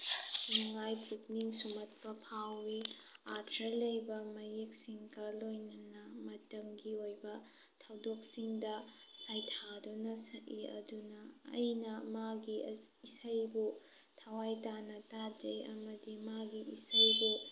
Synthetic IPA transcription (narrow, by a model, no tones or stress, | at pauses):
niŋajpuk̚niŋsumɐt̚pɐpʰawːiaɾtʰɾɐɾlɐjbɐmɐjek̚siŋɡɐlojnɐnɐmɐtɐmɡiojbɐ | tʰɐwdok̚siŋdɐ | sajtʰadunɐsɐʔiɐ̰dunɐɐ̰jnɐmaɡi | isɐjbu | tʰɐwajtanɐtad͡ʒɐjɐ̰mɐdimaɡiisɐjbu